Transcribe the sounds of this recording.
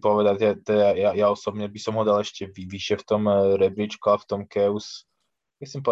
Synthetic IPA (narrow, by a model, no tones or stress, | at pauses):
pɔʋɛd̪acat̪ɔajajaɔsɔbɲɛbisɔmɦɔd̪alɛʃcɛʋiʋiʃɛft̪ɔmɾɛbɾit͡ʃkuaft̪ɔmkɛus | misimpɔ